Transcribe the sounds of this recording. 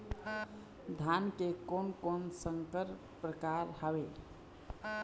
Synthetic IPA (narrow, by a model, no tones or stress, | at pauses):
d̪ʱankekonkonsəŋkəɾ | pɾəkaɾhəwe